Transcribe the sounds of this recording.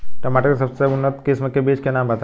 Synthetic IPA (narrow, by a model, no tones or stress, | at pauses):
ʈɐmaːʈəɾkesɐbseʊnːət̪kɪsməkːebiːt͡ʃkenãːmbɐt̪a